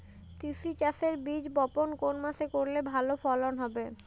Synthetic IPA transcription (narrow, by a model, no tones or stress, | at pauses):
t̪isit͡ɕaseɾbid͡ʑbɔponkonmasekoɾlebʱalofɔlonɦɔbe